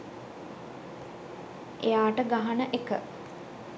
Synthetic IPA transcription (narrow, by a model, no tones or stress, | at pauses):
ʔejaːʈəɡaɦanəʔekə̰